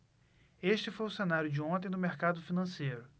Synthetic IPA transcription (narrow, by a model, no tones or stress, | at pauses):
eʃt͡ʃɪfojʊsenaɾjʊd͡ʒɪõt̪ẽj̃d̪ʊmeɾkad̪ʊfinɐ̃sejɾʊ